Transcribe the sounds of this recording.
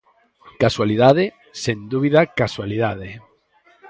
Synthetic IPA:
kaswaliðaðɪ | send̪uβiðakaswaliðað̞e

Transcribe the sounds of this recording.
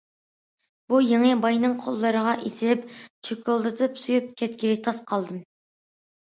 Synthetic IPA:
b̥ujeŋəbɑjnɨŋqʰolˠːɨɾəʁɑʔesɪɾɪpt͡ʃʰøkʲʰulˠd̪ɨt̪ʰɨpsujup̚kʲʰɛt̪kʲiɾɪt̪ʰɑsqʰɑlˠd̪ɨm

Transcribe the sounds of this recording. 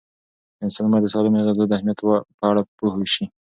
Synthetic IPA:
ɪnsalmɑd̪əsɑlɪmeɣazad̪əahmijat̪wpəaɽapohoʃi

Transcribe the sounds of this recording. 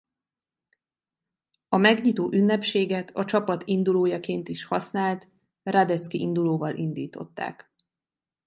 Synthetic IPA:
ɒmɛɡɲit̪oːʔynːɛpʃeːɡɛt̪ɒt͡ʃɒpɒt̪ind̪uloːjɒkeːnt̪iʃhɒsnaːlt̪ | rad̪ɛt̪skiʔind̪uloːvɒlʔind̪ḭːt̪o̞̰t̪ːa̰ːk

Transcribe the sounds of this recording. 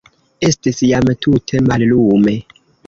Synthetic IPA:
e̞stisjamtʰutʰe̞mallume

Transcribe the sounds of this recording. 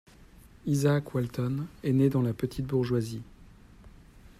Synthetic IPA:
izaːkwalt̪ɔnɛned̪ɑ̃lapət̪ʰit̪̚buʁʒwazi

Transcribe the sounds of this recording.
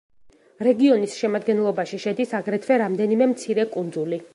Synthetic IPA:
ɾɛɡiɔnisʃɛmad̪ɡɛnlˠɔbaʃiʃɛd̪isaɡɾɛt̪ʰvɛɾamd̪ɛnimɛmt̪sʰiɾɛkʼund̪zuli

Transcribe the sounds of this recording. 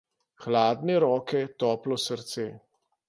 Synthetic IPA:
xlaːd̪nɛɾɔːkɛt̪ɔːplɔsəɾt̪seː

